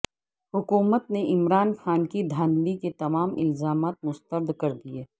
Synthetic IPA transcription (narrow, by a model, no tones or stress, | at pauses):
ɦʊkuːmət̪neʔɪmɾaːnxaːnkid̪ʱaːnliket̪ɐmaːmʔɪ̰lzaːmaːt̪̚mʊst̪əɾd̪kɐɾd̪ieː